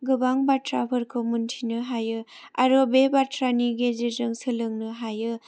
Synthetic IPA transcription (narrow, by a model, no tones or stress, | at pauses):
ɡɯbaŋbatɾabʰʱɯɾkʰɯmuntʰinɯɦajɯa̰ɾobebatɾaniɡezezɯŋsɯlɯŋnɯɦajɯ